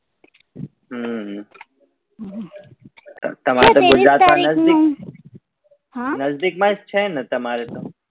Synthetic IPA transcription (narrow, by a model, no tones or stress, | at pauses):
ɦə | ɐ̰t̪ɐm̤aːɾet̪oɡʊd͡ʒɾaːt̪mãnɐzd̪ik̚ | ɦãnɐzd̪ik̚mãst͡ʃʰɛnɐt̪ɐmaːɾet̪o